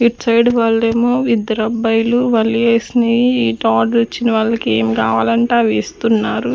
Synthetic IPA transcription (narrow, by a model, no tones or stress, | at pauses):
iʈsɐjɖʋaːɭːeːmoːʋid̪ːɐɾɐbːɐjluʋɐlieːsiniiiːʈaːɖɾot͡ʃːinɐʋɐɭːɐkeːmikaːʋaːlɐɳʈaːʋeːst̪unːaːɾu